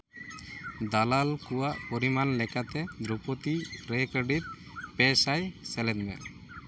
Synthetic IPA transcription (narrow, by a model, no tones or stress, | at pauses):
d̪alalkuwaʔpɔɾimanlɛkat̪ɛd̪ɾupɔt̪iɾɛkɔɾɖit̪̚ | pɛsajsɛlɛd̪mɛ̰ʔ